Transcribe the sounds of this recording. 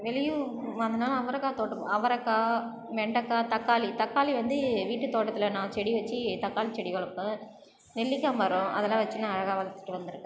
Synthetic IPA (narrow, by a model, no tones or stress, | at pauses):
ʋɛlɪjumaːnd̪ɯnaːlɐɐʋɐɾɐkːaːt̪oːʈːɯmɐʋɐɾɐkːaː | ʋɛɳɖɐkːaːt̪ɐkːaːlit̪ɐkːaːliʋɐnd̪ɯʋiːʈːɯt̪ːoːʈːɐt̪ːɪlɐnãːt͡ʃɛɽiʋɐt͡ʃːɯt̪ɐkːaːlit͡ʃɛɽɪkɔɭɐpːɯ̃ | nɛlːɪkːɐmʋɐɾõʔɐðɛlːãːʋɐt͡ʃːɯnãːɐɻɐɣaːʋɐlɐt̪ːɯ̥ʈːɯʋɐnd̪ɯɾɯkːɯ̃